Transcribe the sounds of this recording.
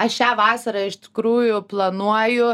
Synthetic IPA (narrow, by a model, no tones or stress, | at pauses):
ɐʃʲæːʋɑːsɐɾɐɪʃt̪ʲɪ̥kɾuːjʊplˠɐnuɔjʊ